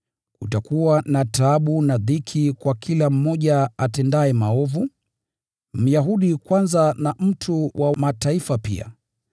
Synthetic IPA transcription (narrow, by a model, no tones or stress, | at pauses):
utakuwanataɓunaðikʰikwakʰilam̩mɔʄaatɛndaɛmaɔvu | m̩jaɦuɗikwanzanam̩tʰuwʔamataifapḭa̰